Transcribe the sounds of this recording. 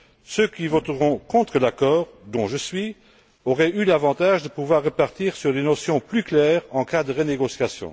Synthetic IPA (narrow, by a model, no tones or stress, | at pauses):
søkʲivɔt̪ʁɔ̃kɔ̃t̪χəlakɔːʁd̪ɔ̃ʒəsɥi | ɔʁɛylavɑ̃t̪aʒd̪əpuvwaʁːəpaʁt̪iːʁsyʁlenɔsjɔ̃plyklɛːʁɑ̃kad̪əʁəneɡɔsjasjɔ̰̃